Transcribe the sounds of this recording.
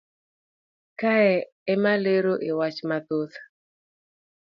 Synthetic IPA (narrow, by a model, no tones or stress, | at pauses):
kaɛ | ɛmaleɾoʔɪwat͡ʃmat̪otḁ